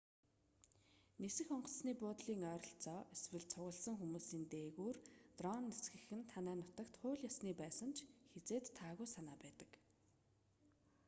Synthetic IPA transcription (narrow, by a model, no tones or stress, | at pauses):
nesɘ̆xɔɴɢɞ̆ssniːpʊːt̪ɮiːŋœːɾɞ̆ɬt͡sɔːʔeswɘ̆ɮt͡sʰʊɣə̆ɮsə̆ŋxumuːsiːnt̪eːɣuːrt̪rɔnːesɡɘ̆xɘ̆nt̪ʰanæːnʊt̪ə̆kt̪χʊːɮjasniːpæːsə̆nt͡ɕʰxet͡seːt̪ʰːaːɣujsanaːpæːt̪ə̥̆k